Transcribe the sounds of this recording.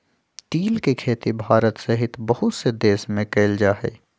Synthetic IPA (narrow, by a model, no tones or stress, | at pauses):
ʈiːlkekʰeːt̪ibʱaːɾət̪sɐɦɪt̪bɐɦʊt̪sed̪eːsmẽkeːld͡ʒaːɦɛ̰ː